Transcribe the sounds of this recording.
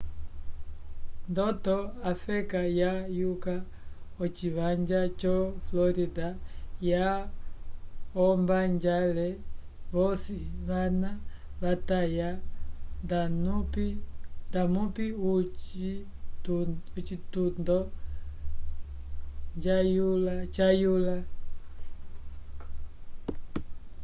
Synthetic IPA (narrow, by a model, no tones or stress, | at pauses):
ndɔtɔafɛkajajuka | ɔt͡ʃiβaɲd͡ʒat͡ʃɔflɔɾidaja | ɔmbaɲd͡ʒalɛβɔsiβanaβataja | danupidamupiut͡ʃi | ɔt͡ʃitundɔ | ɲd͡ʒajulat͡ʃajula